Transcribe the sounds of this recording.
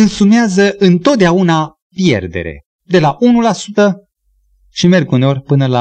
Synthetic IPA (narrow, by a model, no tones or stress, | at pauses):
ɨnsumeazəʔɨnt̪o̞t̪̚d̪eauna | pje̞̰rd̪e̞̰ɾe̞̰ | d̪e̞laʔunulasut̪ə | ʃime̞rɡuneo̞rʲpɨnəla